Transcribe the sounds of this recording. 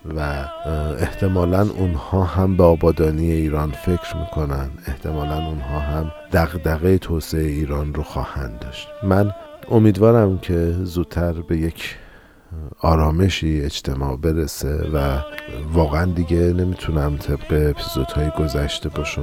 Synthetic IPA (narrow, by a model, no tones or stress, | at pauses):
væ | e̞ht̪ʰe̞mɒːlænʔunhɒːɦæmbeɒːbɒːd̪ɒːnijeiːɾɒːnfe̞cʰɾmiːkʰo̞nænd̪e̞ht̪ʰe̞mɒːlænunɦɒːɦæmd̪̥æɣd̪æɣejet̪ʰoːseeiːɾɒːnroxɒ̰ːhænd̪ɒːʃt̪mæno̞miːd̪vɒːɾæmcʰe̞zuːd̪̥̚t̪ʰæɾbe̞je̞cʰ | ɒːɾɒːme̞ʃiːed͡ʒt̪ʰe̞mɒ̰ːʔbe̞ɾesevævɒːɣeænd̪iɟene̞miːt̪ʰunæmt̪ʰe̞b̥ɢeːpʰizo̞d̪̥hɒːjiɡo̞zæʃt̪e̞bɒːʃæ